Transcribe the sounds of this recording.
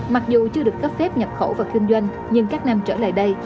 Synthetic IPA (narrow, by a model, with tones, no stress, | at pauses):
ma˨˩k̚zu˨˩t͡ɕɨ˧əɗɨ˨˩ək̚ːə˦˥p̚fɛ˦˥p̚ɲə˨˩p̚xo̰˧˩wvaː˨˩kï˧ŋzwa˧jŋ̟ | ɲɨ˧ŋkaː˦˥k̚na˧mt͡ɕəː˧˩la̰ː˧˨jɗə˧j